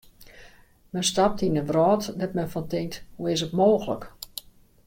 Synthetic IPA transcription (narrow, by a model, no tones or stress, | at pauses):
mɛnstap̚tinənʋrɔːtdɛtmɛnfɔntɪŋthuɪsətmoːxələ̰k